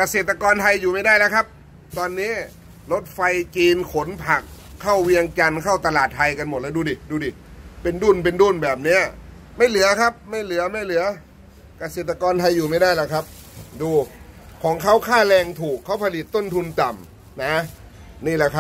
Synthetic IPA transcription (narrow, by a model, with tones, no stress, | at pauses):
ka˧seː˨˩t̪̚ːa˧kɔː˧nt̪ʰa˧jːuː˨˩ma˥˩jdaː˥˩jla˦˥kʰa˦˥p̚ | t̪ɔː˧nːiː˦˥ | lo˦˥t̪̚fa˧jt͡ɕiː˧nkʰo˩˦npʰa˨˩kʰː | a˥˩wwi˧əŋt͡ɕa˧nkʰa˥˩wt̪a˧laː˨˩t̪̚ʰːa˧jka˧nmo˨˩t̪̚ɛː˦˥˩duː˧diː˨˩duː˧di˨˩ | pe˧nduː˥˩np̬e˧nduː˥˩nbɛː˨˩p̚ni˦˥ɐ | ma˥˩jlɯ˩˦ɐkʰa˦˥p̚ma˥˩jlɯ˨˩˦ɐma˥˩jlɯ˨˩˦ɐ | ka˧seː˨˩t̪̚ːa˧kɔː˧nt̪ʰa˧jːuː˨˩ma˥˩jdaː˥˩jlɛ˧˦˩kʰa˦˥p̚ | duː˧ | kʰɔː˩˦ŋkʰa˦˥˩wkʰaː˥˩lɛː˧ŋt̪ʰuː˨˩kʰːa˦˥˩wpʰa˧li˨˩t̪ːo˥˩nt̪ʰu˧nt̪a˨˩m | na˦˥ | niː˥˩lɛ˧˩kʰa˦˥p̚